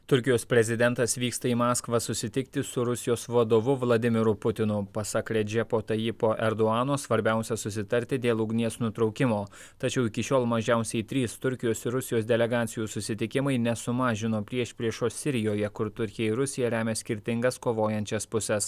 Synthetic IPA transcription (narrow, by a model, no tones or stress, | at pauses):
t̪ʊɾʲkʲɪjoːspʲɾʲɛzʲɪd̪ʲɛnt̪ɐsʋʲiːkst̪ɐiːmɑːskʋɐsʊsʲɪt̪ʲɪk̚t̪ʲɪsʊɾʊsʲɪjoːsʋɐd̪oːʋʊʋlˠɐd̪ʲɪmʲɪɾʊpʊt̪ʲɪnʊpɐsɐkɾʲɛd͡ʒʲɛpoːt̪ɐjɪpoːʔɛɾd̪oɑːnoːsʋɐɾʲbʲæˑʊsʲɛsʊsʲɪt̪ɐɾʲt̪ʲɪd̪ʲeːlˠʊɡnʲiɛsnʊt̪ɾɒʊkʲɪmoː | t̪ɐt͡ʃʲɛʊɪkʲɪʃʲoːlˠmɐʒʲæˑʊsʲɛɪt̪ʲɾʲiːst̪ʊɾʲkʲɪjoːsɪɾʊsʲɪjoːs̬d̪ʲɛlʲɛɡɑːt̪sʲɪjuːsʊsʲɪt̪ʲɪkʲɪmɐɪnʲɛsʊmɑːʒʲɪnoːpʲɾʲiɛʃʲpʲɾʲiɛʃoːssʲɪɾʲɪjoːjɛkʊɾt̪ʊɾʲkʲɪjɛɪɾʊsʲɪjɛɾʲæːmʲeːsʲkʲɪɾʲt̪ʲɪŋɡɐskoːʋoːjɛnʲt͡ʃʲɛspʊsʲɛs